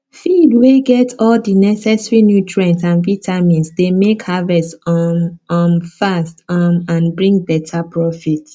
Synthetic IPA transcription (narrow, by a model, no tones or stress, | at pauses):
fidweɡɛtɔldinɛsɛsɹinjutʰɹɛ̃ntsãnvitʰamĩnsdemekhavɛst | ɔ̃nfastɔmãnbɹĩŋɡ̚bɛtʰapɹɔfit